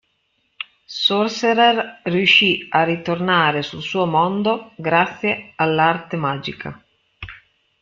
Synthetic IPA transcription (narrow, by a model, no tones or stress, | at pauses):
sorseɾerriuʃːiarːit̪ornaːɾesulsuːomond̪oɡɾat̪sːjealːart̪emaːd͡ʒḭkʰa